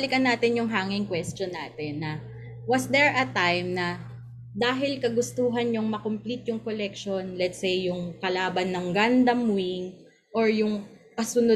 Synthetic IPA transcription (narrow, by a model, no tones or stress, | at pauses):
lɪkɐnːaːt̪ɪnjʊŋɦaːŋɪŋkwɛst̪jonːaːt̪ɪnːɐ | wɐsd̪ɛɹʔɐt̪ajmnɐ | d̪aːɦɪlkɐɡʊst̪uːɦɐnɲoŋmɐkomplit̪jʊŋkolɛkʃonlɛt̪sejːʊŋkɐlaːbɐnːɐŋɡand̪ɐmwiŋ | ʔoɹjʊŋkɐsʊno